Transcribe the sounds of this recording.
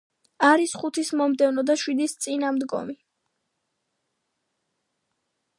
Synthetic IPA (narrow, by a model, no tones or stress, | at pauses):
aɾisχut̪ʰismɔmd̪ɛvnɔd̪aʃwid̪ist̪sʼinamd̪ɡɔ̰mi